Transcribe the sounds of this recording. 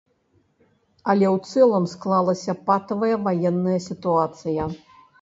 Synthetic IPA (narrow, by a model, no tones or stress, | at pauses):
ɐlʲɛwt̪sɛlˠɐmsklˠalˠɐsʲɐpat̪ɐvɐjɐvajɛnːɐjɐsʲit̪uat̪sɨjɐ